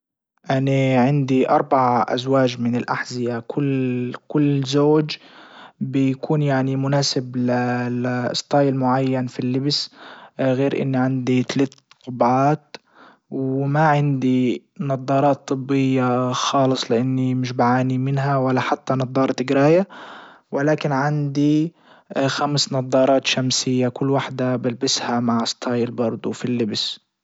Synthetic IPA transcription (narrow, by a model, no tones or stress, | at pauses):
ʔaniʕɪnd̪iʔɑ̰ɾˤbaʕaʔa̰zwaːd͡ʒmɪnɪlʔaħzɪjakʰʊlkʊlːzoːd͡ʒ | bɪjkʰuːnjaʕnimʊnaːsɪblal̰sˤt̪ˤɑːjɪlmʊʕajːanfilːɪbs | ɣeːɾʔɪ̰nːiʕɪnd̪it̪alaːt̪qʊbʕaːt̪ | wɪmaʕɪnd̪i | nɑd̪ˤːɑːɾˤɑːt̪ˤːɨbːɪjːaxɑːlɨsˤlɪʔanːimɪʃbʕaːnimɪnɦawalːaħat̪ːanɑd̪ˤːɑːɾˤt̪ɪɡɾaːja | wʔɪlaːkɪnʕand̪i | xamsnɑðˤːɑːɾˤɑːt̪ʃamsɪjːakʊlːwaħd̪abɪlbɪshamaʕsˤt̪ʰˤɑːjɪlbɑɾˤd̪ˤufilːɪbs